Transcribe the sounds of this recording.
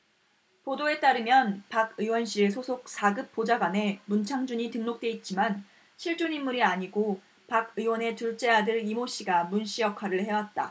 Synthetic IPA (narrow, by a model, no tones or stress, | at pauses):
podoe̞t͈aɾɯmjʌnpaɡɯwʌnɕ͈ʰiɾesʰosʰok̚s͈ʰaɡɯp̚p͈od͡ʑaɡwane̞munt͡ɕʰaŋd͡ʑuɲitɯŋnok̚t͈we̞it̚t͡ɕ͈iman | ɕʰiɭt͡ɕ͈uɲimːuɾiaɲiɡo | paɡɯwʌne̞tuɭt͡ɕ͈e̞ɦadɯɾimoɕ͈ʰiɡamunɕ͈ijʌkʰwaɾɯɭhe̞wat̚t͈a̰